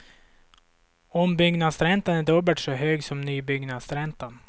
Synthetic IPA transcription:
ɔmbʏɡnad̪sɾɛnt̪anæɖɵːbəʈ̪ʂɔɦøːɡsɔmnyːbʏɡnad̪sɾɛnt̪an

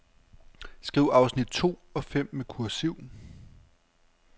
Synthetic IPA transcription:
sɡ̥ʁiʊ̰ɑ̈ʊsnid̥t͡sʰo̝̰ːɒ̽fem̰mekʰuɐsiʊ̰n

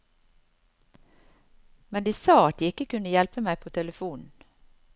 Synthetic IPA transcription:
mɛnd̪iːsɑːɑt̪̚d̪iːɪkəkʉnəjɛlpəmæɪpʰoːt̪ʰɛləfuːnn̩

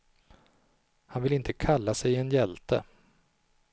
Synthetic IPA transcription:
hanvɪlɪnt̪ʰəkʰalːasɛjɛnjɛlt̪ə̰

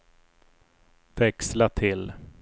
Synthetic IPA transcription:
vɛkslat̪ʰɪl

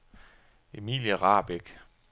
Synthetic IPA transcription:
e̝mḭːljəʁɑ̈ːb̥eɡ̥

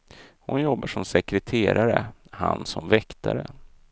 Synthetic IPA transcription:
hʊnjɔbːaʂɔmsɛkɾɛt̪ʰeːɾaɾəhansɔmvɛkt̪ʰaɾə

